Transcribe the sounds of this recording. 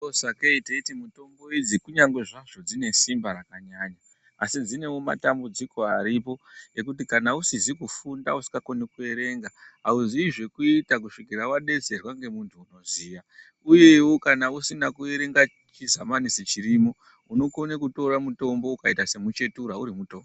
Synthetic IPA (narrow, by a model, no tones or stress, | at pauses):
osakeiteitimuto̞mbo̞id͡zikuɲaŋɡwe̞ʐaʐo̞d͡zine̞simbaɾakaɲaːɲaː | sid͡zine̞woma̰tambud͡ziko̞aɾipo̞e̞kutikanausizikufundausi̥kako̞nekue̞ɾe̞ŋɡaɦauziiʐe̞kuitak̬uʂikirawaɗe̞t͡se̞rwaŋɡe̞muntʰuːno̞ziːja | uje̞wo̞kanausinakue̞ɾe̞ŋɡa | t͡ʃizamanisit͡ʃirimo̞ | uno̞konekuto̞ɾamuto̞mbo̞ukaitase̞mut͡ʃe̞tuɾauɾimuto̞mbo